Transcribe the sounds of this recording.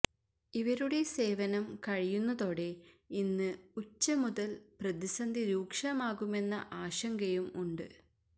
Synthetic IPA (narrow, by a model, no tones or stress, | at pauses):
iʋɐɾuɽe̞se̞ːʋɐnɐmkɐɻijunːɐðo̞ːɽe̞inːɨut͡ɕːɐmuðɐlprɐðisɐnd̪ʱiɾuːkʂɐmaːɣume̞nːɐ̰ʔaːɕɐŋɡɐjumuɳɖɨ̰